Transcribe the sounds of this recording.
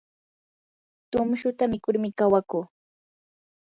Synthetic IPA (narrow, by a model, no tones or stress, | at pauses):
t̪ʊmʃʊt̪amɪkʊɾmɪkawakuː